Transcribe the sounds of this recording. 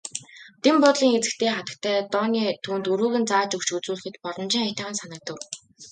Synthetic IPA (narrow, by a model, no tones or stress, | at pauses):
t̪empʊt̪ɮiːŋet͡sɘ̆kt̪ʰeːχat̪ə̆k̚t̪ʰæːt̪ɔːniːt̪ʰuːnt̪uɾuːɣɘ̆nt͡saːt͡ɕɵkt͡ɕɡɵt͡suːɮɘ̆xɘ̆t̪pɔɾɞ̆nt͡ɕĭːŋat̪aʁə̆nsanə̆t̪ə̆w